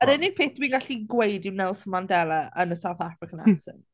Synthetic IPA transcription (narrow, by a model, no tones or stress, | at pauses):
əɾɪnɪ̥pʰeːθd̥wiːnɡaɬiɡwejdɪwnɛlˠsəmandɛlˠəʔənəsawθafɾɪkʰana̰sɪ̰n